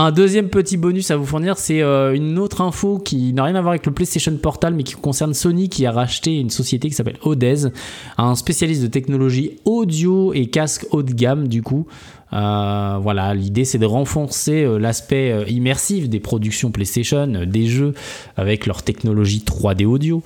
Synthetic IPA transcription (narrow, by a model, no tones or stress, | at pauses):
ɛ̃d̪øzjɛmpət̪ibɔnysavufuʁniʁsɛøynot̪χɛ̃fokʲinaʁjɛ̃navwaʁavɛkləplest̪eʃɔnpɔʁt̪almɛkʲi̥kɔ̃sɛʁnsɔnikʲiaʁaʃt̪eynsɔsjet̪ek̬ʲi̥sapɛ̰lɔd̪ɛzɛ̃spesjalist̪d̪ət̪ɛknɔlɔʒiɔd̪joekʲaskot̪ɡʲamd̪yku | øvwalalid̪esɛd̪əʁɑ̃fɔʁseølaspɛøimɛʁsifd̪epχɔd̪yksjɔ̃plest̪eʃɔnød̪eʒø | a̰vɛklœʁt̪ɛknɔlɔʒit̪χwad̪eod̪jo